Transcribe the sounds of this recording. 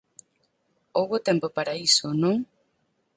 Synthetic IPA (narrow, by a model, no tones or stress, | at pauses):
oɣot̪empopaɾaisonõŋ